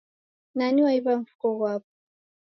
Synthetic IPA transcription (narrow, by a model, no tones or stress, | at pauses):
naniwaiβaɱ̩fu̥kɔɣwapɔ̥